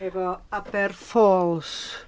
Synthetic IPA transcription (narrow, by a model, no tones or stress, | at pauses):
ɛvɔabɛrfoːlˠs